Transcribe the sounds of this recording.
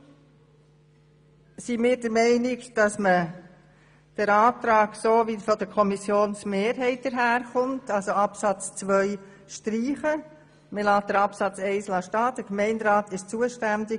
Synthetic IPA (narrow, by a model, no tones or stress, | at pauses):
simɪːɾdəɾmɛɪnɪkd̥ɑsmə | d̥əɾɑːtɾɑːksoːʋifɔdəɾkʰɔmisjoːnsmeːɾɦɛɪt̚d̥əɾɦæːɾχʊntɑlsoɑpsɑt͡st͡sʋœʏ | ʃtɾiːχə | mɪlɑːt̚d̥əɾɑpsɑt͡sɛɪslɑʃtɑːd̥əkmɛɪndɾɑːtʰɪʃt͡suəʃtændɪ